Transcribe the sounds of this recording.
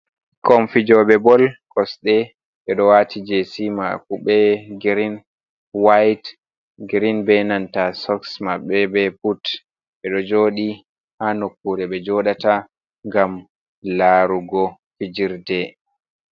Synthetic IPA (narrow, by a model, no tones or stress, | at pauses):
kɔmfid͡ʒɔɓɛbɔlkɔsɗɛ | ɓɛɗɔwatid͡ʒesima̰kuɓɛɡiɾin | wajt | ɡiɾinbɛnantasɔksmaɓɛbɛput | ɓɛɗɔd͡ʒoːɗi | hanokːuɾɛɓɛd͡ʒɔɗata | ŋɡam | laɾuɡɔ | fid͡ʒiɾdɛ